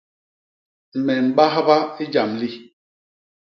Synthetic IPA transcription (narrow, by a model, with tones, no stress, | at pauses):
m̩˨mɛ˨m̩˨ɓa˦ɦa˦ba˦i˦d͡ʒa˨mli˦